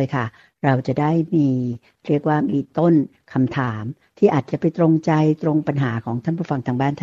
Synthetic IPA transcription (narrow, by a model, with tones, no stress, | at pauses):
jkʰa˥˩ | ɾa˧wt͡ɕa˨˩ʔdaː˥˩jmiː˧ | ɾi˥˩ək̚waː˥˩miː˧t̪o˥˩n | kʰa˧mt̪ʰaː˩˦m | t̪ʰiː˥˩ʔaː˨˩t̪̚t͡ɕa˨˩pa˧jt̪ɾo˧ŋt͡ɕa˧jt̪ɾo˧ŋpa˧nɦaː˩˦kʰɔː˩˦ŋt̪ʰa˥˩npʰuː˥˩fa˧ŋt̪ʰaː˧ŋbaː˥˩nt̪ʰa˥